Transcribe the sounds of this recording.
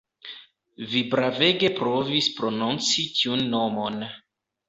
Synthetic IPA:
vibɾave̞ɡe̞pɾovispɾo̞nunt͡sitʰiunːo̞mo̞n

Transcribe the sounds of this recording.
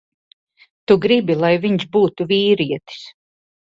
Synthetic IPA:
t̪uɡɾibilˠajviɲsbuːt̪uviːɾiɛt̪i̥s

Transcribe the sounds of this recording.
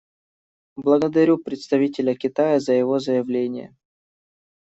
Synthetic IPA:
blˠəɡəd̪ɐɾʲupɾʲɪt̪st̪ɐvʲitʲɪlʲəkʲɪt̪ajəzəjɪvo̞zəjɪvlʲenʲɪ̰jə̰

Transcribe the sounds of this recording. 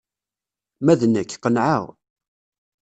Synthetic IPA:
mæðnækːqənʕa̰ʁ

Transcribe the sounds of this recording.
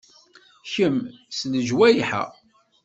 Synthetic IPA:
çəmsnəʒwæjiħə̰

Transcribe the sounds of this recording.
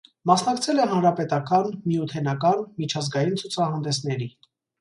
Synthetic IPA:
mɑsnɑkt͡sʰɛlɛɦɑnɾɑpɛt̪ɑkɑnmijut̪ʰɛnɑkɑnmit͡ʃʰɑzɡɑjint͡sʰut͡sʰɑɦɑnd̪ɛsnɛɾi

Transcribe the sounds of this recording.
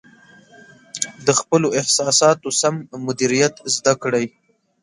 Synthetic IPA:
d̪əxpəloɪhsɑsɑt̪osamːʊd̪iɾijat̪zd̪akɽaj

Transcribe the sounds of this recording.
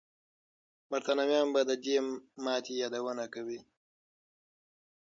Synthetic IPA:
maɾt̪anamjɑːmbad̪əd̪emɑt̪ejɑːd̪awənakawi

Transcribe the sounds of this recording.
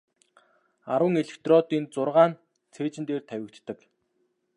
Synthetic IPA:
aɾwə̆ŋeɮĕkt̪rɔt̪iːnt͡sʊrʁaːn | t͡sʰeːt͡ɕɪ̆nt̪eːrt̪ʰæwʲɪ̆kt̪ːə̆k

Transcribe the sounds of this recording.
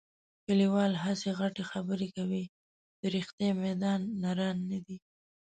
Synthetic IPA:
kəliwɑlɦaseɣaʈexabəɾekawi | d̪̥əɾixt̪jamad̪ɑnːaɾanːad̪i

